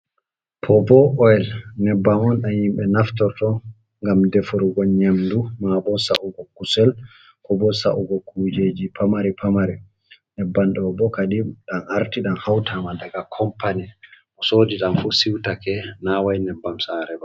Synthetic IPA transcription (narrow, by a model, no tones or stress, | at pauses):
pʰɔbɔɔɛlnɛbːamɔnɗanhimbɛnaftɔɾtɔ | ŋɡamdɛfuɾuɡɔɲamdumabɔsa̰ʔuɡɔkusɛl | kɔbɔsa̰ʔuɡɔkud͡ʒed͡ʒipʰamaɾipʰamaɾɛ | nɛbːanɗɔbɔkaɗiɗanaɾtiɗanhawtʰamadaɡakʰɔmpanɛʔɔsoːd͡ʒiɗanfusiwtakɛnawajnɛbːamsaɾɛba